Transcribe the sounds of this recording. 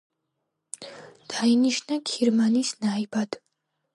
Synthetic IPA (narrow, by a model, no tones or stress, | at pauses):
d̪̥ainiʃnakʰiɾmanisnaibad̪̥